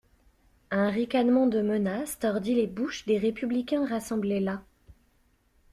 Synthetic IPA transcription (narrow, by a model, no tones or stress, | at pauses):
ɛ̃ʁikanmɑ̃d̪əmənast̪ɔʁd̪ilebuʃd̪eʁepyblikʲɛ̃ʁasɑ̃blela